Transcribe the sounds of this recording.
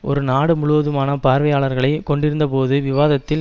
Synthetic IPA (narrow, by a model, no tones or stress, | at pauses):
ʔɔ̰ɾɯnaːɽɯmʊɻʊʋɐðɯmaːnɐpaːɾʋɐjaːɭɐɾɣɐɭɐɪkɔɳɖɪɾɯnd̪ɐpoːðɯʋɪʋaːðɐt̪ːɪ